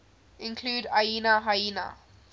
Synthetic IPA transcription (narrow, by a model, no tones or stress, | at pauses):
ɪ̃nkʰluːdajinaɦajina̰